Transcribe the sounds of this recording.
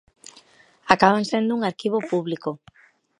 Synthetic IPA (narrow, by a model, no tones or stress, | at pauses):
akaβansend̪ʊuŋaɾkiβ̞opuβliko